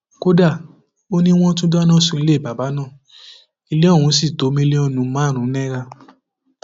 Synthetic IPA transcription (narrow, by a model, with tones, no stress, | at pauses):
ko˦da˦˨ | o˦nĩ˦w̃ɔ̃˦tũ˦da˦nã˦˨sũ˧i˧le˦˨ba˨ba˨˦nãː˦˨ | i˧le˦ɔ̃˦˨ũ˨˦si˦˨to˨˦mĩ˦˧le˦ɔ˦˨nũ˨˦mãː˦˨ɾ̃ũ˨˦nɛ̃˦ɾa˧